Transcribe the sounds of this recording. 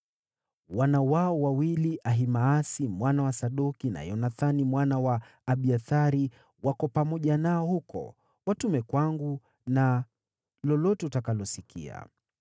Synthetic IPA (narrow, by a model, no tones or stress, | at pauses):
wanawaɔwawiliʔaɦimaːsimwanawasaɗukina̰jɔnaθanimwanawaː | ɓiaθaɾi | wakɔpamɔʄanaɔhukɔ̰ | watumɛkwaŋɡu | na | lɔlɔtɛutakalɔsikḭa̰